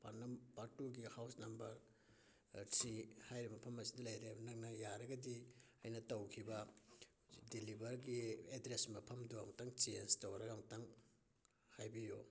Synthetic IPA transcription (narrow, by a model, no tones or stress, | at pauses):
paɾnɐmbaɾtuɡihawsnɐmbɐɾ | sihajɾimɐpʰɐmɐsidɐlɐjɾebɐnɐŋnɐjaɾɐɡɐdi | ɐ̰jnɐtɐwkʰibɐ | dilibɐɾɡiedɾesmɐpʰɐmduaŋtaŋt͡ʃenstɐwɾɐɡaŋtaŋ | hajbijo̰